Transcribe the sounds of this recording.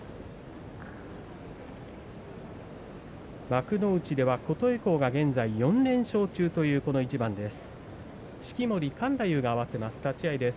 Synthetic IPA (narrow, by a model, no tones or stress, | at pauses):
bakɯ̟no̞ɯ̟t͡ɕid̪e̞βako̞t̪o̞eko̞ːɡaɡẽ̞nd͡zaijõ̞nnẽ̞ɰ̃ɕo̞ːt͡ɕɨːt̪o̞jɯ̟ːko̞no̞it͡ɕibãnd̪e̞sɨ̥ | ɕi̥kʲimo̞ɾʲikãnd̪ajɯ̟ːɡaːβ̞ase̞masɨ̥t̪at͡ɕiaid̪e̞s